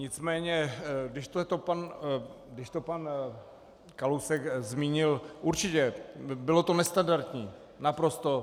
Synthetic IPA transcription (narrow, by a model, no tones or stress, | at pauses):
ɲɪt͡smɛːɲɛɡdɪʃt̪ot̪opanɡdɪʃt̪opan | kalowsɛkzmiːɲɪlʔuɾt͡ʃɪcɛbɪlo̞t̪o̞nɛst̪andaɾt̪ɲiː | napɾo̞st̪o̞